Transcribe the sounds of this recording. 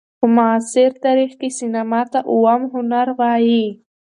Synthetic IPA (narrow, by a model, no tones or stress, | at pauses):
mʊːsɪɾt̪aɾixkesinamɑt̪aʔʊwamɦʊnaɾɣɑji